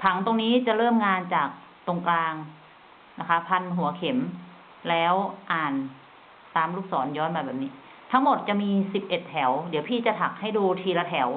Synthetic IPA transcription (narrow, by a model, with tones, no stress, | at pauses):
pʰa˩˦ŋt̪o˧ŋniː˦˥t͡ɕa˨˩lɤː˥˩mŋaː˧nt͡ɕaː˨˩k̚ | t̪o˧ŋklaː˧ŋ | na˦˥kʰa˦˥pʰa˧nɦu˨˩˦ɐkʰe˩˦m | lɛː˦˥wʔaː˨˩n | t̪aː˧mluː˥˩k̚sɔː˩˦njɔː˦˥nmaː˧˩bɛː˨˩p̚niː˦˥ | t̪ʰa˦˥ŋmo˨˩t̪̚t͡ɕa˨˩miː˧si˨˩p̚ʔe˨˩t̪̚ʰːɛ˩˦wdi˨˦wpʰiː˧˥˩t͡ɕa˨˩t̪ʰa˨˩k̚ha˥˩jduː˧t̪ʰiː˧la˧t̪ʰɛ˩˦w